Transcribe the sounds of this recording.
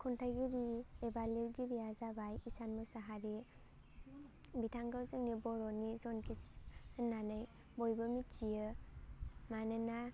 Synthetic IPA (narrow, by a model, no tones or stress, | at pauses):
kʰuntʰaɡiɾiebaliɾɡiɾijazabajisanmɔsaɦaɾi | bitʰaŋɡawzɯŋnibɔɾɔnizɔnkʰihɯnːanɯj | bɔjbɯmit͡ʃijɯ | manɯna